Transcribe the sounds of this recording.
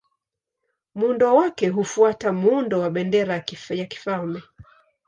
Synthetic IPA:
muundɔwakɛɦufuatamuundɔwaɓɛndɛɾajaki̥falmɛ

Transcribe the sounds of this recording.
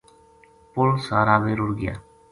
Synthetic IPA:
pʊlsaːɾaːbeːɾʊɾɡɪja̰ː

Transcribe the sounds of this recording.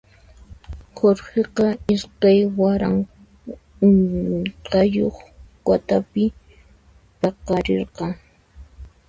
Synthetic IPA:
hoɾɢeqɑɪskajwaɾa̰ŋ | ʊnt͡ɬajoχkat̪apɪ | pɑqɑɾeɾqɑŋ

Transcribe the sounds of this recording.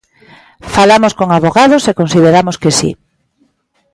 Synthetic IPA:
falamoskoŋaβoɣað̞osekonsið̞eɾamoskesḭ

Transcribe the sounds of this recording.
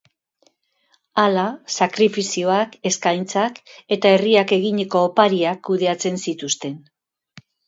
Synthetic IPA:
alasakɾifisio̞ake̞skajnt͡sake̞t̪ae̞riake̞ɣiɲe̞ko̞ːpaɾiakːuðe̞at͡se̞nsit̪ust̪e̞n

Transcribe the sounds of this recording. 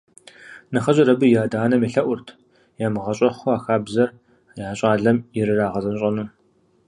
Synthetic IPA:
nɨχɐʑʼɐɾɐbɨjaːdaːnɐmeɬɐʔʷʊrtʰ | jaːmɨʁɐɕʼɐχʷʊaːxaːbzɐr | jaːɕʼaːɮɐmjɪɾɨraːʁɐzɐnɕʼɐnuː

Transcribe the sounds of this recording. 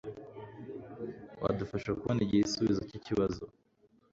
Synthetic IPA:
wa̰dufaʃakuβoneɟieisuβizociciβazo̰

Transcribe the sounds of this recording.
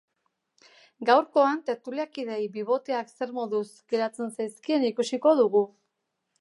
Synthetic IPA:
ɡawɾko̞ant̪e̞ɾt̪uliakið̞e̞jbiβ̞o̞t̪eakse̞ɾmo̞ðusɡeɾat͡se̞nsajskie̞nikusiko̞ðuɣu

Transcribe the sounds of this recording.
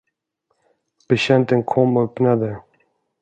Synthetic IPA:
b̥ɛɕɛnt̪ənkʰɔmːœpnad̪ə

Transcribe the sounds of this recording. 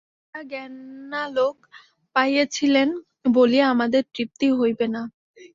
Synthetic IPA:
aɡɛnalok | pajet͡ɕʰilen | bolieamad̪eɾt̪ɾip̚t̪iɦojbena

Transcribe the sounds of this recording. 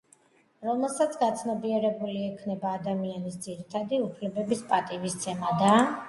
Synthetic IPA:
ɾɔmɛlˠsat̪sʰɡat̪sʰnɔbiɛɾɛbuliɛkʰnɛbaːd̪amianisd̪ziɾit̪ʰad̪iupʰlɛbɛbispʼat̪ʼivist̪sʰɛmad̪a

